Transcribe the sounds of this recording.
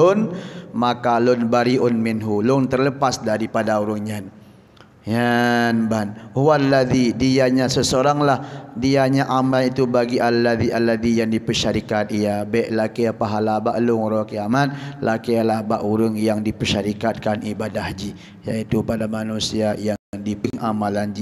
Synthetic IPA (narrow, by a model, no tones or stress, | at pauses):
ʊnmakalʊnbaɾiʔʊnmɪnɦulʊŋt̪ərləpasdaɾipadauɾəŋɲan | janbanhuanːad̪idiaɲasəsəoɾaŋlahdiaɲaʔamanit̪ubaɡiʔalːad̪iʔalːad̪ijaŋdipəʃaɾikat̪̚ijabɛʔlakɛapaɦalabaʔlʊŋɾɔkiamat̪̚lakealabaʔuɾəŋjaŋdipərʃaɾikat̪̚kanibadahd͡ʒi | jait̪upadamanusiajaŋdipŋʔamaland͡ʒi